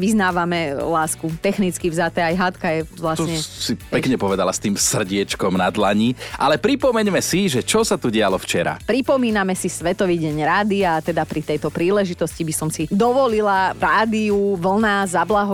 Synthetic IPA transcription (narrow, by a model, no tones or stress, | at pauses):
ʋiznaːʋamɛlaːskut̪ɛxnit͡skivzat̪ɛajɦat̪kajɛʋlasɲɛsipɛkɲɛpɔʋɛd̪alast̪iːmsr̩ɟɪɛt͡ʃkɔmnad̪laɲiʔalɛpɾipɔmɛɲmɛsiʒɛt͡ʃɔsat̪uɟɛalɔft͡ʃɛɾa̰pɾipɔmiːnamɛsisʋɛt̪ɔʋiːɟɛɲɾaːd̪iat̪ɛd̪apɾit̪ɛjt̪ɔpɾiːlɛʒit̪ɔscibisɔmsid̪ɔʋɔlilaɾaːd̪iuʋl̩ˠnazablaɦɔ